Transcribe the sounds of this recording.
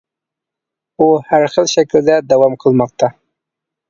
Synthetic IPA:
ohaɾxəlʃakəld̪ad̪awamqəlməq̚t̪a

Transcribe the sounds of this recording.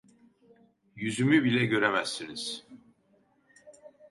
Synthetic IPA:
jyzymybilʲɛɟø̞ɾɛmæst̪iniz̥

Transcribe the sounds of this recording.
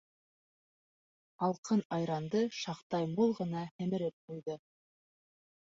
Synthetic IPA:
ɑlˠqɤnɑjɾɑnd̪ɤʃɑqt̪ɑjmulˠʁɤ̆nɑhæ̆mɘ̆ɾɘp̚qujðɤ

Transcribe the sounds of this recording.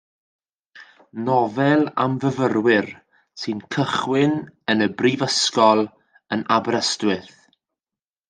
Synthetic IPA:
nɔvɛlˠa̰mvəvərwɪr | sɨnkʰəχwɪnənəbrivəskɔlˠ | ənabɾəstwɪθ

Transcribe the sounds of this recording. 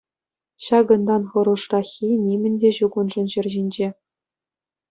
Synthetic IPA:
ɕɑɡɤ̆nd̪ɑnχɤ̆ɾuʂrɑxʲinʲimʲɘ̆nʲdʲeʑuɡunʐɘ̆nʑɘ̆rʲʑinʲd͡ʑe

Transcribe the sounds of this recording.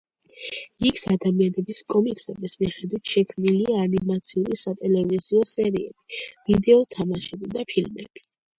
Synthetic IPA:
ikʰsad̪amianɛbiskʼɔmikʼsɛmismiχɛd̪wit̪ʰʃɛkʰmniliaːnimat̪sʰiulisat̪ʼɛlɛviziɔsɛɾiɛ̰bivid̪ɛɔt̪ʰamaʃɛbid̪apʰilmɛ̰b̥i̥

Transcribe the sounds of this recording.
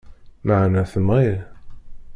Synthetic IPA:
maʕnæθəni

